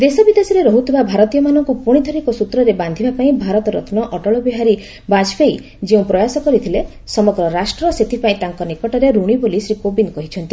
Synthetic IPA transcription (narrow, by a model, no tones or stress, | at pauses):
d̪esɔbid̪esiɾeɾɔɦut̪ʰibabʱaɾɔt̪ijɔmanɔŋkupuɽ̃it̪ʰɔɾikɔsut̪ɾɔɾeband̪ʱibapaĩbʱaɾɔt̪ɔɾɔt̪ʰnɔʔɔʈɔɭɔbiɦaɾi | bad͡ʒpʰei | d͡ʒeũpɾɔjasɔkɔɾit̪ʰile | sɔmɔɡɾɔɾasʈɾɔset̪ʰipaĩt̪aŋkɔnikɔʈɔɾeɾuɽ̃ibolisɾikobinkɔɦit͡ʃʰɔnt̪i